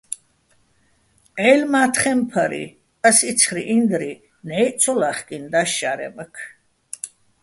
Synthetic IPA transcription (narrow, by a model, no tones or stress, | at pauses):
ɛlmaːt̪ʰχɛmpʰəɾḭ | əsit̪sʰχɾiʔind̪ɾi | nɛjt͡sʰɔlaχkʼind̪aʃaɾɛ̰məkʰ